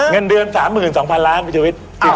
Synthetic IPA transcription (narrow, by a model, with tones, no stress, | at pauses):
ŋə˧ndɯ˨˧ənsaː˩˦mːɯː˨˩nsɔː˩˦ŋpʰa˧nlaː˦˥nwi˧t̪i˧wi˦˥t̪̚ki˧˩